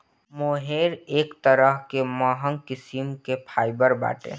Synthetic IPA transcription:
moːɦeːɾeːkt̪əɾəɦkemaːɦə̃ŋkɪsimkepʰaːɪbəɾba̰ːʈḛ̃

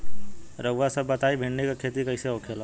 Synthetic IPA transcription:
ɾəɡʋasɐbːɐt̪aːibʱẽɳnekakʰeːt̪ikɐɪseoːkʰelo

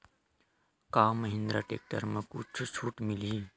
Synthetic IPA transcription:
kaːməɦɪ̃nd̪ɾaːʈḛːk̚ʈəɾmẽkṵt͡ʃʰut͡ʃʰuːʈmɪliː

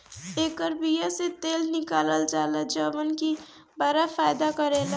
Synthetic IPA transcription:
ekəɾbijaset̪elnikaləld͡ʒaləd͡ʒʌbənki | baɾapʰajd̪akʌɾelʌ

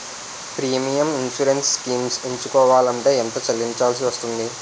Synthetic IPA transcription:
pɾiːmijɐminʃuɾensːkiːmseɲt͡ʃukɔːʋaːlɐɳʈe̞ːɛnt̪ɐt͡ʃɐlːiɲt͡ʃaːls̬iʋɐst̪und̪i

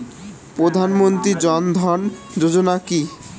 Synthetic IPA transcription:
pɾod̪ʱanmont̪ɾid͡ʑɔnd̪ʱɔn | d͡ʑod͡ʑonaki

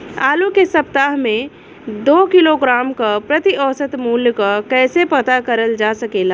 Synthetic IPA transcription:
aːlukesɐp̚t̪aːɦmẽ | d̪oːkɪloɡɾaːmkapɾɐt̪iʔɔːsət̪muːljkakɛːsepɐt̪akɐɾəld͡ʒaːsɐkeːlaː

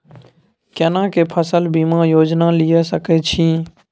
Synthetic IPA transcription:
kenãːkeːpʰəsəlbiːmãːjoːd͡ʒnaːlɪjesəket͡ʃʰĩː

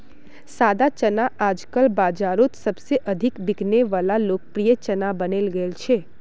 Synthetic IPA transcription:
sad̪at͡ʃənaʔad͡ʒkəlbad͡ʒaɾot̪səbseʔəd̪ʱikbiɡʱneʋalalok̚pɾijət͡ʃənabənelɡəelt͡ʃʰe

